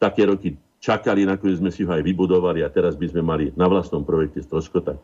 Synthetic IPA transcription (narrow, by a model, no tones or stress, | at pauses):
t̪akɛːɾɔki | t͡ʃakalinakɔɲɛzmɛsiɦɔajʋibud̪ɔʋaliat̪ɛɾazbizmɛmalinaʋlasnɔmpɾɔjɛk̚cɛst̪ɾɔʃkɔt̪a